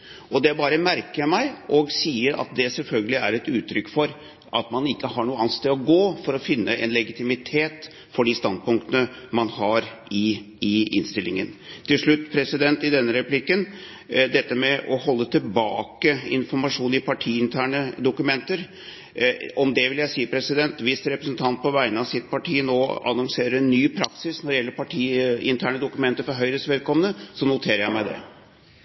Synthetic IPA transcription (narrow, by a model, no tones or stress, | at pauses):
ʔɔd̪ɛbɑːɾəmæɾkəmæɪʔɔɡsiːəɾɑ̰t̪̚d̪ɛsɛlfœlɡəlɪæɾɛt̪ʉːt̪ʰɾʏkːfɔɾ | ʔɑt̪mɑnɪkːəhɑɳuːəɑnst̪eːɔɡoːfɔɾɔfɪnːəʔɛnlɛɡɪt̪ɪmɪt̪ʰeːt̪ | fɔɖist̪ɑnd̪̚pʊŋk̚t̪ənəmɑnhɑɾɪ | ɪɪ̰nst̪ɪlːɪŋənt̪ʰɪlʂɭʉt̪ːpʰɾɛsɪd̪ɛnt̪ɪd̪ɛnːəɾɛplɪkːən | d̪ɛt̪ːəmɛʔɔhɔlːət̪ʰɪlbɑ̰ːkəɪ̰nfɔɾmɑʂuːnɪpʰɑʈʰiːɪnt̪ʰæːɳəd̪ʊkʉmɛnt̪əɾ | ɔmd̪ɛʋɪljæɪsiːəpʰɾɛsɪd̪ɛnt̪ʋɪst̪ɾɛpɾəsnt̪ʰɑnt̪̚pʰɔʋæɪnəɑʋsɪt̪̚pɑʈʰiːnoːɑ̰nɔŋseːɾəɾɛnːyːpʰɾɑksɪsnɔɖ̪ɛjɛlːəɾpʰɑʈʰiːɪnt̪ʰæːɳəd̪ʊkʉmɛnt̪əɾfɔɾɦœʏɾəsʋɛlkʰɔmənəsɔnʊt̪ʰeːɾəjæɪmæɪd̪ɛ̰